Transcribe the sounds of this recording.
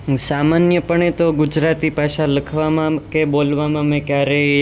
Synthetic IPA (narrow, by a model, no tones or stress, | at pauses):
samanjəpəɳet̪oɡʊd͡ʒɾat̪ipaʃãləkʰʋamãkebolʋamãmẽkjaɾe